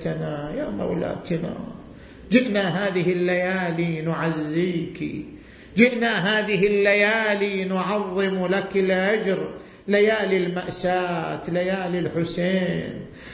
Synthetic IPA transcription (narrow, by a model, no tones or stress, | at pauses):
t̪anajaːma̰wla̰ːt̪na̰ | d͡ʒɪʔnaɦaːðɪɦɪlːajaːlinʊʕazːiːkḭ | d͡ʒɪʔnaɦaːðɪɦɪlːajaːlinʊʕɑðˤːɨmulakɪlʔad͡ʒɾ | lajaːlilmaʔsaːt̪lajaːlɪlħʊseːn